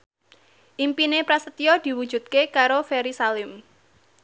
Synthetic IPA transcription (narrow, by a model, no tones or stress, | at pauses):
ʔimpinepɾasət̪iɔd̪̥i̤wud̥d͡ʒ̥ṳt̪̚kekaɾofeɾisalɪm